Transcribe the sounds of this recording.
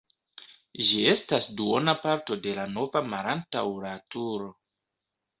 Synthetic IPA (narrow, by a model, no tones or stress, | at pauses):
ʒie̞stasduo̞napaɾto̞de̞lano̞vamaɾantawuɾatuɾo̞